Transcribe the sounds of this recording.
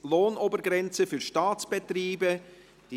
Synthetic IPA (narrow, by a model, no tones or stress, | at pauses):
loːnobəɾɡɾɛnt͡səfyɾʃtɑːt͡sb̥etriːbə | d̥i